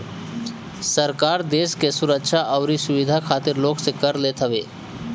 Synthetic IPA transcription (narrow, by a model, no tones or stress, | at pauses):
səɾkaːɾd̪eːskesʊɾəkʃaʔɔːɾisʊʋɪd̪ʱakʰaːt̪ɪɾloːksekəɾlet̪ʰəʋeː